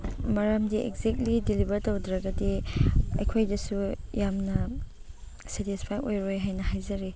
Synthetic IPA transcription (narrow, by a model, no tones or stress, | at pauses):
mɐɾamdiʔḛkzek̚tlidilibɐɾtowdɾɐɡɐdiɐ̰jkʰojdɐsujamnɐ | setispʰajojɾojɦajnɐɦajzɐɾi